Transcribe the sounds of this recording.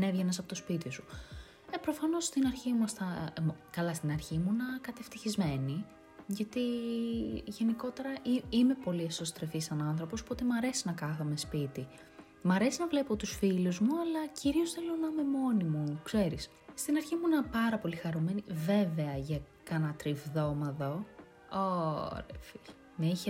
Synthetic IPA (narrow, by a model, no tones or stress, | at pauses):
ne̞vʝenɐs̬ɐpo̞t̪o̞spit̪isu | epɾo̞fɐno̞st̪inɐɾçimuɐst̪ɐmkɐlɐst̪inɐɾçimuinɐkɐt̪e̞ft̪içizme̞ni | ʝɐt̪i | ʝe̞niko̞t̪e̞ɾɐʔiime̞po̞liesost̪ɾefisɐnɐnθɾo̞po̞spot̪e̞mɐɾe̞sinɐkɐɣɐme̞spit̪i | mɐɾe̞sinɐvle̞po̞t̪usfiluzmuɐlɐciɾio̞sθelo̞nɐme̞mo̞nimukse̞ɾis | st̪inɐɾçimuinɐpɐɾɐpo̞lixɐɾume̞nive̞ve̞ɐʝɐ | kɐnɐt̪ɾivðo̞mɐðo | o̰ɾefiʎɐ | meiçe